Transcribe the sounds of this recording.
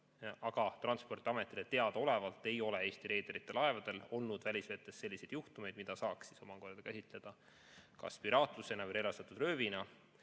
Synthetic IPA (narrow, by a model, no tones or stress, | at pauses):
ɑɡ̥ɑt̪rɑnspo̞rt̪iɑme̞t̪ːˑilet̪e̞ɑd̪̥ɑo̞le̞vɑlt̪ːˑe̞jo̞le̞e̞ːst̪iɾe̞ːd̪eɾit̪ːˑe̞lɑe̞vɑd̪̥e̞lo̞lnud̪̥vælʲisvet̪ːˑesːe̞lʲːise̞d̪juht̪ume̞jd̪̚mid̪̥ɑsɑːksiso̞mɑko̞rd̥̪ɑkæsʲit̪ˑle̞d̪̥ɑ | kɑ̰spiɾɑːt̪ˑluse̞nɑveɾelɑst̪ɑt̪ːˑud̪rø̞ːvinɑ